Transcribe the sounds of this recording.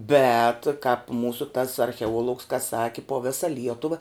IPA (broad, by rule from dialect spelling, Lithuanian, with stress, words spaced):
bʲɛt kɑːp ˈmuːsʊ tɐs ɐrʲxʲɛˈuɔlˠʊks kɐ ˈsɑːkʲɪ poː ˈʋʲɪsɐ ˈlʲiɛtʊʋɐ